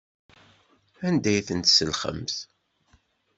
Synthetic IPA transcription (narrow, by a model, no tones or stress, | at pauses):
ænd̪æjθənt̪səlχə̰mθ